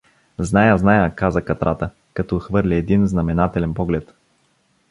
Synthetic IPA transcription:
znajəznajəkazəkɐt̪ɾʔat̪ə | kɐt̪ɔxvɤɾlʲiɛd̪inznɐmɛnat̪ɛlɛnpɔɡlɛt̪

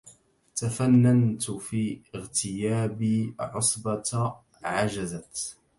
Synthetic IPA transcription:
t̪afanːant̪fiːɪɣt̪ɪjaːbiʕʊsˤbɑt̪ | ʕad͡ʒazat̪

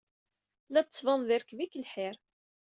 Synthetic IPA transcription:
læt͡s̪ːsvənðɪɾkvikəlħɪɾ

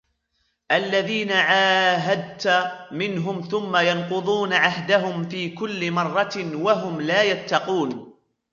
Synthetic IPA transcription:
ʔalːaðiːnaʕaːɦad̪̚t̪amɪnɦʊmθʊmːajɑnqʊðˤuːnaʕahd̪aɦʊmfiːkʊlːɪmɑrˤːɑwaɦʊmlaːjat̪ːɑquːn

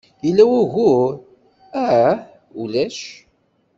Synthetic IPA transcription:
jəlːæwæʝu | æ | ulæʃ

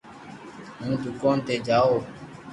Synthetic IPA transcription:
ɦũːd̪ukɔ̃ːnt̪ed͡ʒaːoː

